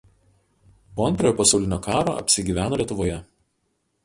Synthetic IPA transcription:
poːɐnʲt̪ʲɾʲojoːpɐsɐʊlʲɪnʲoːkʰɑːɾo̰ːɐ̰pʲsʲɪɡʲiːʋʲæːnoːlʲiɛt̪ʊʋoːjɛ

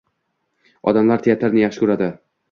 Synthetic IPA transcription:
ɒ̰d̪amlaɾt̪ʰejat̪ʰaɾnɪjaχʃɪkʰʊɾad̪ɪ

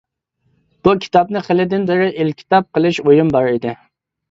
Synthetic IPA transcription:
b̥ukʲʰi̥t̪ɑp̚nɨχəlɪd̪ɪnbɪɾɪʔɪlkʲʰi̥t̪ɑp̚qəlˠɪʃojumbɑɾid̪ɪ

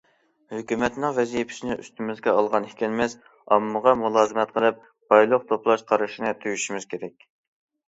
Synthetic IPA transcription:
høkʲymɛt̪nɪŋvɛzijipʰɪ̥snɪʔy̰st̪ʰymɪzɡʲɛɑlˠʁɑnhikʲʰɛlmɛs | ɑmːəʁɑmulˠɑːzɨmɛt̪̚qʰəlˠɨp̚ | b̥ɑjlˠəq̚t̪ʰoplˠɑʃqʰɑɾɨʃinɨt̪ʰyjyʃimɪz̥kʲʰeɾɛkʲ

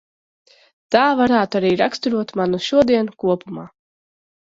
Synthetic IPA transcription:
t̪aːvaɾaːt̪uaɾiːɾakst̪uɾuɔt̪manuʃuɔd̪iɛnkuɔpumaː

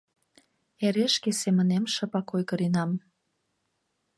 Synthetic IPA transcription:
eɾeʃkesemə̆nemʃə̆pɑkojkəɾinɑm

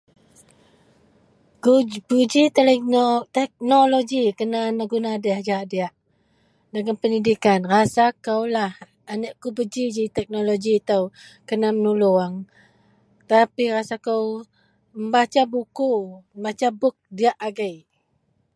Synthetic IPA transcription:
ɡubud͡ʒit̪əlɛnot̪ɛk̚noloɡikənanaɡunaːdəhd͡ʒaaʔdiaʔ | dəŋanpəndidikanrasakəwlah | anəʔkubəd͡ʒid͡ʒit̪ɛk̚noloɡit̪əwkənamənuluaŋ | t̪apirasakəw | məmbat͡ʃabukumbat͡ʃabʊk̚diaʔaɡəj

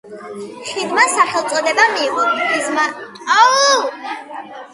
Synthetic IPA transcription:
ʃid̪masaχɛlˠt̪sʼɔd̪ɛbamiːʁʼɔtʰizmat̪ʼa

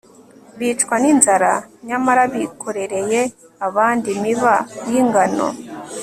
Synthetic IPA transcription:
βiːt͡ʃkwaninzaɾaɲamaɾaβikʰo̞ɾe̞ɾe̞je̞ | aβaːndimiβajiŋɡano̞̰

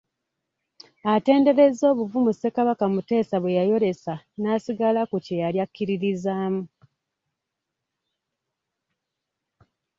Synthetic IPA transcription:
ate̞ːnde̞ɾe̞zo̞ːβuvumuse̞kaβakamute̞ːsaβwejajo̞ɾe̞sa | nasiɡalakucejaljakːiɾiɾizaːmu

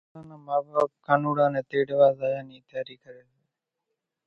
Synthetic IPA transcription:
ãːnãːmaːbaːkʰːaːnuːɽãːnẽːt̪eːɽɪʋaːzaːjãːniːt̪jaːɾiːkəɾeːle

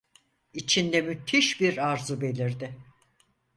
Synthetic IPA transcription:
it͡ʃʰind̪ɛmyt̪ʰiʃbiɾaɾzube̞lʲiɾd̪ɪ

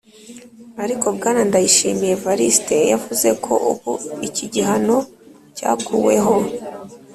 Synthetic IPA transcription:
aɾiko̞b̚ɡaːnandajiʃḭmije̞vaɾiste̞ja̰vuze̞kʰo̞̰ʔṵβṵiciɟiɦano̞ | ca̰ːkuwe̞̰ɦo̞

